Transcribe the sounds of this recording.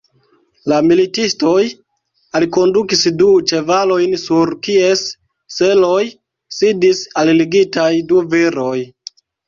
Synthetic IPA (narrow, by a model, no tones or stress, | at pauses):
lamilitisto̞j | aliko̞ndukisdut͡ʃe̞valo̞jnsuɾkie̞sː | e̞lo̞j | sidisalliɡitajduviɾo̞j